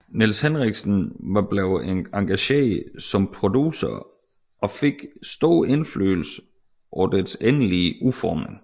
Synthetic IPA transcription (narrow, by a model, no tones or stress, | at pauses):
nelshenʁiɡ̥sn̩ʋɑ̈b̥leʊɑ̈ŋɡ̥æɕḛːsɒ̽mpʰʁo̝d̥usɐ̰ | ʔɒ̽fe̝ɡ̥sd̥o̝ːe̝nflø̰ːl̩sə | ʔɒ̰d̥esenliufɒːme̝ŋ